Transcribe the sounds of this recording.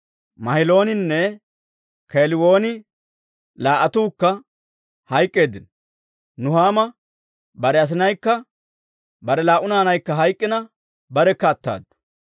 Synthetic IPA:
mɐhɪlo̞ːnɪnːɛ | keːlɪwo̞ːnɪ | laːʔɐt̪uːkːɐ | hɐjkʼːe̞ːd̪ɪn | nʊhaːmɐ | bɐɾɛɐs̬ɪnɐjkːɐ | bɐɾɛlaːʔʊnaːnɐjkːɐɦɐjkʼːɪnɐ | bɐɾɛkːɐːt̪ːa̰ːd̪ːɐ̥

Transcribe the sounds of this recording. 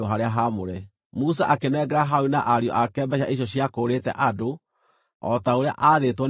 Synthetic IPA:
oɦaɾeaɦamoɾɛ | mus̬aʔakenɛːɡɛɾaɦaunaʔaɾjɔ̰ʔakɛːmbɛɕaʔiɕ̬jɔɕijakoːɾetɛ̰ʔado | ɔ̰taoɾea̰ʔaðetwɔ

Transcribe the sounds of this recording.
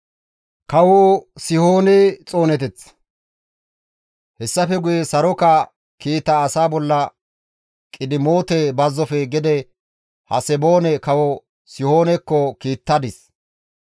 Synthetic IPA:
kɐwɔsɪhoːnɛt͡sʼo̞ːnɛt̪ɛt͡sː | hɛsːɐfɛɡʊjɛsɐɾɔkɐ | kiːt̪ːɐːsaːbɔlːɐ | kʼɪd̪ɪmoːt̪ɛbɐzːɔfɛɡɛd̪ɛ | hɐsɛbo̞ːnɛkɐwɔ | sɪhoːnɛkːɔkiːt̪ːɐd̪ɪs

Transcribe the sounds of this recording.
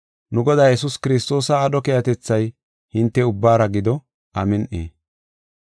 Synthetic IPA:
nʊɡɔd̪aːjɛs̬ʊskɪɾɪst̪o̞ːsɐːɗɔkejɐt̪ɛt͡sːɐj | hɪnt̪ːɛʊbːaːɾɐɡɪd̪ɔ | ʔɐmɪnʔḛː

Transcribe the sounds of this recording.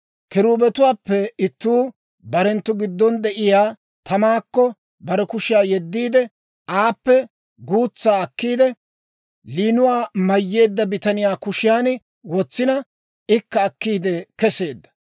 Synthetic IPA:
kɪɾuːbɛt̪ʊwaːpːɛɪt̪ːuː | bɐɾɛnt̪ːʊɡɪd̪ːɔnd̪ɛʔɪjaː | t̪ɐmaːkːɔ | bɐɾɛkʊʃɪjaːjɛd̪ːiːd̪ɛ | ʔaːpːɛ | ɡuːt͡sːaːɐkːiːd̪ɛ | liːnʊwaːmɐjːe̞ːd̪ːɐbɪt̪ɐnɪjaːkʊʃɪjaːn | wɔt͡sːɪnɐ | ɪkːɐːkːiːd̪ɛkɛse̞ːd̪ːɐ̥

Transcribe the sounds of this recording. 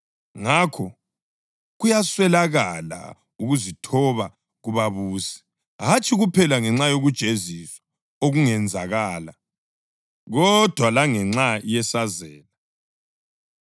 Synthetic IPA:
ŋakʰɔ | ɣujaswɛlaɣala̰ | uɣuzitʰɔβa | ɣuβaβuːsɛ̥ | ɦat͡ʃʰʼiɣupʰɛlaŋɛŋ͡ǁajoɣud̥ʒ̥ʱeziswḁ | oɣuŋɛnd͡zʱaɣaːla | ɣɔd̥ʱwalaŋɛŋ͡ǁaijɛsazɛːla

